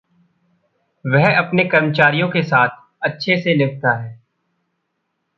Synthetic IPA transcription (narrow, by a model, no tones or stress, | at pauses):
ʋɛɦɐpnekɐɾmət͡ʃaːɾijõkesaːt̪̚ʰ | ɐtːʃʰeselɪɡ̚t̪aɦɛː